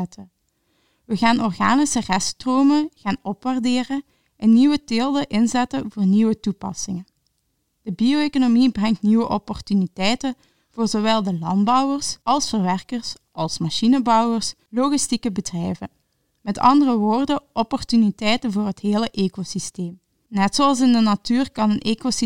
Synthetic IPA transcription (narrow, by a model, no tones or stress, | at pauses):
tʰə | ʋəɣaːnɔrɣaːnisərɛstroːməɣaːnɔpʋardeːrə | ʔɛnːiʋəteːlˠdəʔɪnzɛtənvʊːrniʋətupɑ̰sɪŋən | d̥əbioekonomibrɛŋtniʋəʔɔpɔrtynitɛjtən | v̥oːrzowɛlˠdəlɑndbɑwərsɑlˠsfərʋɛrkərs | ʔɑlˠsmɑʃinəbɑwərs | loɣistikəbədrɛjvən | mɛtʰɑ̰ndərəʋoːrdəʔɔpɔrtynitɛjtənvoːrɦətɦeːləʔeːkosisteːm | nɛtsoɑlˠs̬ɪndənatyːrkɑnənʔeːkos